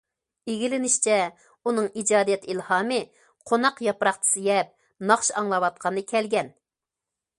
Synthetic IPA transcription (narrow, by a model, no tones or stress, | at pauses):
eɡʲilɪnɪʃt͡ʃʰɛ | unɨŋid͡ʒɑːd̪ijɛt̪ilhɑːmɨ | qʰonɑqjɑpɾɑχt͡ʃ̪ʰɨ̥sɨɡʲɛp̚ | nɑχʃɑŋlˠɑwɑt̪̚qʰɑnɨkʲʰɛlɡʲɛn